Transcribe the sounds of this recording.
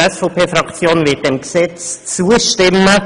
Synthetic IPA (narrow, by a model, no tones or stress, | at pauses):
ɛsfopʰeːfɾɑkt͡sjoːnveːt̚d̥emksɛt͡st͡suːəʃtɪmə